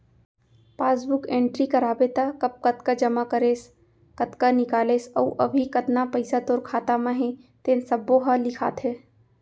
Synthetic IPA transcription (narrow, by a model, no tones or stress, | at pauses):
paːsbʊkẽːɳʈɾikɐɾaːbet̪akɐp̚kɐt̪kad͡ʒɐmakəɾeːs | kɐt̪kanɪkaːleːsə̰uʔɐbʱikɐt̪napɐɪsat̪oːɾkʰaːt̪amãɦẽt̪eːnsɐbːoɦalɪkʰa̰ːt̪ʰɦeː